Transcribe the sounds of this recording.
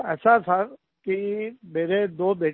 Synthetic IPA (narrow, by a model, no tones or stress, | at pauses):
ɛːsat̪ʰɐɾ | kimeːɾed̪oːbeː